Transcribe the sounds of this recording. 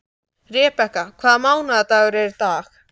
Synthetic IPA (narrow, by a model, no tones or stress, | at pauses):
rjɛːpɛhkakʰv̥aːðmaːwnaðat̪aːɣʏɾɛɾt̪aːx